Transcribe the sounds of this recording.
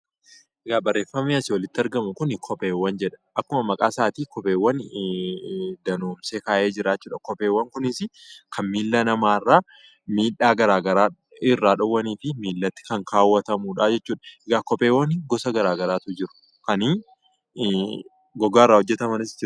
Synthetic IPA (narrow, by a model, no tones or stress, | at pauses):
ʔɛɡaːbɐrːeːfːɐmiɐsɪwɔlɪt̪ːɪɐɾɡɐmʊkʊnkʰɔpʼeːwːɐnd͡ʒɛᶑɐ̥ʔɐkːʊmɐmɐkʼaːsaːt̪iːkɔpeːwːɐn | d̪ɐnoːmseːkaːʔeːd͡ʒɪɾaːt͡ʃːuːᶑɐkɔpeːwːɐŋkʊnɪsɪkʰɐnmiːlːɐnɐmaːrːaː | miːᶑaːɡɐɾaːɡɐɾaː | ɪrːaːᶑɔwːɐniːfɪmiːlːɐt̪ːɪ̥kɐŋkaːwːɐt̪ɐmuːᶑaːd͡ʒɛt͡ʃːuːᶑɐ̥ɛɡaːkɔpʼeːwːɐnɪɡɔsɐɡɐɾaːɡɐɾaːt̪ʊd͡ʒɪɾʊ̥ | kɐn | ɡɔɡaːɪrːaːhɔd͡ʒːɛt̪ɐmɐnɪsd͡ʒɪɾ